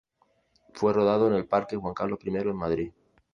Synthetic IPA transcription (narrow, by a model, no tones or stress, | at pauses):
fwe̞ro̞ð̞að̞o̞ene̞lpaɾke̞xwaŋkaɾlo̞pɾime̞ɾoenmaðɾi